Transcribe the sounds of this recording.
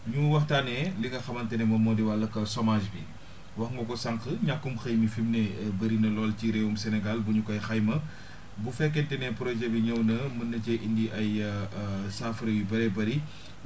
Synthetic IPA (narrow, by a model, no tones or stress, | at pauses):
ɲuwɐxtaːnɛliɡɐxɐmɐntɛnɛmɐmɔːdiwalːɐkːɐsɔmaːʒbi | wɐxŋɡɔkɔsaŋkəɲakːumxɐjmifimnebɐɾinɐlɔːlciɾewumsɛnɛɡalbuɲukɔjxɐjmɐ | bufɛkːɛntɛnɛpɾɔʒɛbiɲɐwnɐmɐnːɐcɛʔindiʔɐj | saːfɾɐjubɐɾɛbɐɾi